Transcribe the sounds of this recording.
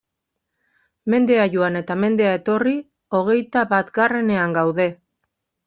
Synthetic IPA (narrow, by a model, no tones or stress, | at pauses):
me̞nd̪e̞aʝuane̞t̪ame̞nd̪e̞ae̞t̪o̞ri | o̞ɣ̞e̞jt̪aβat̪ɡare̞ne̞aŋɡawðe̞